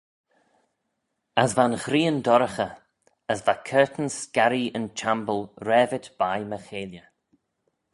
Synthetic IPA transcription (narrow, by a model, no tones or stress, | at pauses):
asvanxɾiːəndɔɾəxə | əsvakʰɜːt̪n̩skaɾiənt͡ʃʰambəlˠɾɛːvɪtb̥ajməxeːljə